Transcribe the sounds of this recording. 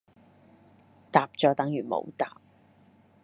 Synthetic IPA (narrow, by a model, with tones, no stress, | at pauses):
t̪aː˨p̚t͡ʃɔː˨˧t̪ɐ˨˥ŋjyː˨˩nmo̰˨˧wt̪a̰ː˨p̚